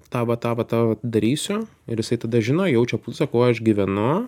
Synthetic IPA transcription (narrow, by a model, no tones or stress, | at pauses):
t̪ɑːʋɐt̪ɑːʋɐt̪ɑʋɐd̪ɐɾʲiːsʲʊ | ɪɾjɪsɐɪt̪ɐd̪ɐʒʲɪnoːjɛʊt͡ʃʲɛpulʲsɐkɐʊɐʃɡʲiʋʲɛnʊ